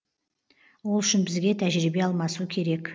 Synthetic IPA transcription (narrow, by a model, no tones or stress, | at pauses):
wo̞lˠʏʃɪnbɪzɡʲe̞t̪ʰæʒɾibe̞ɑlˠmɑsukʲʰe̞ɾe̞k